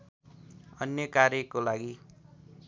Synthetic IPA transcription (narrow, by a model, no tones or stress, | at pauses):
ʌnjʌkaɾjʌkolaɡi